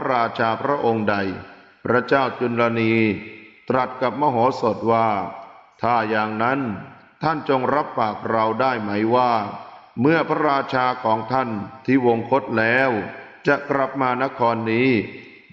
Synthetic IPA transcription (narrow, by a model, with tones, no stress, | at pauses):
a˦˥ɾaː˧t͡ɕʰaː˧pʰɾa˦˥ʔo˧ŋda˧j | pʰɾa˦˥t͡ɕaː˥˩wt͡ɕu˧nla˧niː˧t̪ɾa˨˩t̪̚ka˨˩p̚mɔː˧ɦoː˩˦so˨˩t̪̚waː˥˩t̪ʰaː˥˩jaː˧ŋna˦˥n | t̪ʰa˥˩nt͡ɕo˧ŋɾa˦˥p̚ːaː˨˩k̚ɾa˧wdaː˥˩jma˦˥jwaː˥˩mɯ˥˩ɐpʰɾa˦˥ɾaː˧t͡ɕʰaː˧kʰɔː˩˦ŋt̪ʰa˥˩nt̪ʰiː˥˩wo˧ŋkʰo˦˥t̪̚lɛː˦˥w | t͡ɕa˨˩kɾa˨˩p̚maː˧na˦˥kʰɔː˧nːiː˦˥